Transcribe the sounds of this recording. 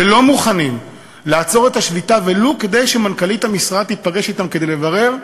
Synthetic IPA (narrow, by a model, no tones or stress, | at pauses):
elo̞muχanim | laːt͡so̞ʁe̞t̪aʃlitaveluke̞d̪e̞jʃemankalit̪hamisʁad̪̚t̪ːit̪̚paɡe̞ʃit̪amke̞d̪ejle̞vaʁe̞ʁ